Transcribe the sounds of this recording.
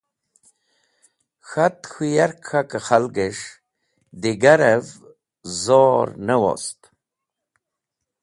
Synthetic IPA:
xat̪xujaɾkxakəχalɡeʂ | d̪iɡaɾəv | zoɾnəwo̰st̪

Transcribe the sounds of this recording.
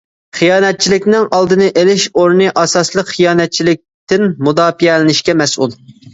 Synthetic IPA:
χijɑːnɛt̪̚t͡ʃʰilɪkʲnɪŋɑlˠd̪ɨnɨʔelɪʃoɾnɨʔɑsɑslˠəqχijɑːnɛt̪̚t͡ʃʰilɪk̚ʲt̪ɪnmud̪ɑːfiɛlɪnɪʃkʲɛmɛsʔṵlˠ

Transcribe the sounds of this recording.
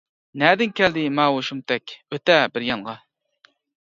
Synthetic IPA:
næːd̪ɪnkʲʰɛld̪ɪmɑːwoʃumt̪ʰɛkʲøt̪ɛbɪɾjɑɴʁɑ

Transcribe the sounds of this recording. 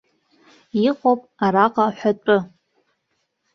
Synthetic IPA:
iqʼopʼaɾaqʼaħʷᶣaʈ͡ʂʼɨ

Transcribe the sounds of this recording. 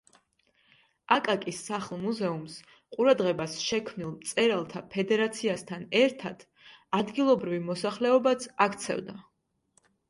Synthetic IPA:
akʼakʼisːaχlˠmuzɛums | qʼuɾad̪ʁɛbasʃɛkʰmnilˠmt̪sʼɛɾalˠt̪ʰapʰɛd̪ɛɾat̪sʰiast̪ʰanɛɾt̪ʰad̪̥ | ad̪ɡilˠɔbɾivimɔsaχlɛɔbat̪sʰakʰt̪sʰɛ̰vd̪a

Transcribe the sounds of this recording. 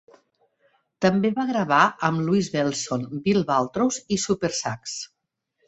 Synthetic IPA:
t̪əmbeβaɣɾəβaəmluizβɛlˠsonbilˠβalˠt̪ɾowzisupeɾsaks

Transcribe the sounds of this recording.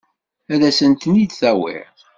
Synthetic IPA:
æðæsənt̪nid̪θæwɪ̰ɾ

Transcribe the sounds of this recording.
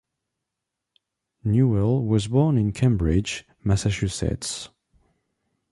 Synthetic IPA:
njuɛlˠwʌzbɔɹnɪ̃nkʰẽmbɹɪd͡ʒ | masaʃʉsɛ̰ts

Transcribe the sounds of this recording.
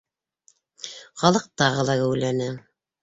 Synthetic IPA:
χɑlˠɤq̚t̪ɑʁɤ̆lˠɑkæwlænɘ

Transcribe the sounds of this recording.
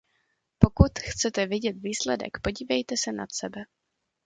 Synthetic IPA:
po̞kut̪xt͡sɛt̪ɛvɪɟɛt̪viːslɛdɛ̰kpo̞ɟiːvɛjt̪ɛsɛna̰t̪sɛbɛ

